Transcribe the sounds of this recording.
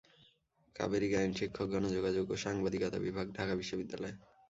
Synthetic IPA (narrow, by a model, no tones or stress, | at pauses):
ka̰beɾiɡainʃikʰːok̚ɡɔnod͡ʑoɡad͡ʑoɡoʃaŋbad̪ikɔt̪a̰bibʱaɡɖʱakabiʃːobid̪ːalɔe